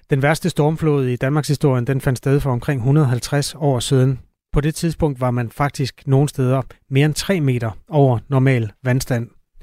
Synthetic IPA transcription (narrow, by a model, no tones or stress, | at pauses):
d̥enʋæɐsd̥əsd̥ɒɐmflo̝̰ːð̞ˠid̥ænmɑ̈ɡshisd̥o̝ɐ̰jənd̥en̥fænd̥sd̥eð̞ˠfɒ̽ɒ̽mkʰʁeŋ̰ɦunɐðˠɦælt͡sʰʁasɒ̰ːsið̞ˠn̩ | pʰɒ̽d̥e̝t͡sʰið̞ˠsb̥ɔ̽ŋ̰d̥ʋɑ̈mænfɑ̈ɡ̥̚d̥isɡ̥no̝ːn̩sd̥eːð̞ˠɐme̝ːɐent͡sʰʁɛ̰ːme̝̰ːɾ̥ɐɒʊ̰ɐnɒmɛ̰ːlʋænsd̥æn̰